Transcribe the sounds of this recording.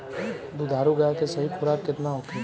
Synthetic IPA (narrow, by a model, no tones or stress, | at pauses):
d̪ud̪ʱaːɾuɡɐjakesɐɦipuɾakɪt̪naɦoke